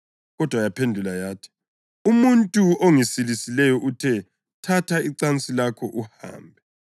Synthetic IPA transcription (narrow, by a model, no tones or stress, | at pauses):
ɣɔd̥ʱwajapʰendʱulajaːtʰi̥ | umuntʼuoŋisilisilɛjɔʔutʰɛ | tʰatʰaiǀant͡sʼilakʰɔʔuha̰ːmbʱɛ